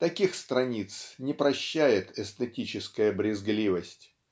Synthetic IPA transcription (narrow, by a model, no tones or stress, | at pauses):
t̪ɐkʲixst̪ɾɐnʲit̪snʲɪpɾɐɕːæjɪt̪ɛst̪ɨtʲit͡ɕɪskəjəbɾʲɪzɡlʲivəsʲtʲ